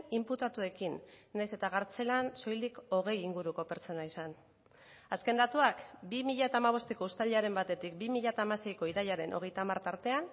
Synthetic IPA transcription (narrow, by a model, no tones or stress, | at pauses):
imput̪at̪ue̞kinːajse̞t̪aɣ̞aɾt͡se̞lanso̞jliko̞ɣ̞e̞jiŋɡuɾuko̞peɾt͡so̞naisan | aske̞nd̪at̪uakbimiʎat̪aːmaβ̞o̞st̪eko̞ust̪aliaɾe̞mbat̪e̞t̪ik̚bimiʎat̪aːmase̞jko̞iɾaʎaɾe̞nʔo̞̰ɣ̞e̞jt̪aːmaɾt̪aɾt̪e̞an